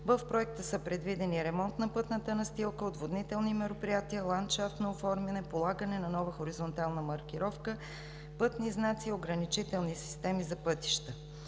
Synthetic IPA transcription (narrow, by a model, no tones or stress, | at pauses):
vəfpɾoɛk̚t̪əsəpɾɛd̪vid̪ɛniɾɛmɔnt̪nɐpɤt̪nət̪ənɐst̪ilˠkəod̪vod̪nit̪ɛlˠnimɛɾopɾijat̪iəlˠant̪ʃaft̪noofɔɾmɛnɛpolˠaɡənɛnɐnɔvəxoɾizont̪alˠnəmɐɾk̟iɾɔfkə | pɤt̪niznat̪sioɡɾənit͡ʃit̪ɛlˠnisi̥st̪ɛmizɐpɤt̪i̥ʃt̪ə